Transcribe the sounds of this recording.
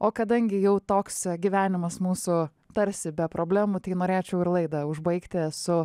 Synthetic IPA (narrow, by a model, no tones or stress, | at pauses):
oːkɐd̪ɐŋʲɡʲɪjɛʊt̪oːksɡʲiʋʲæːnʲɪmɐsmuːsʊ | t̪ɐɾʲsʲɪbʲɛpɾʔoːbʲlʲæːmuːt̪ʲɐɪnoːɾʲeːt͡ʃʲɛʊɪɾlˠɐɪd̪ɐʊʒbɐɪkt̪ʲɪsʊ